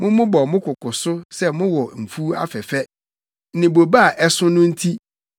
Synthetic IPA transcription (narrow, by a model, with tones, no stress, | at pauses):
mʊ̃˦mʊ̃˦bɔ˨mʊ̃˦kʰʊ˨kʊ˨sʊ˦sɛ˦mʊ̃˦wɔ˨m̩˨fu˦a̰˦fɛ˨fɛ˦˨ | nɪ̃˨bo˨ba˦a˨ʔɛ˦sʊ̃˦nʊ̃˦n̩˦tʰi˦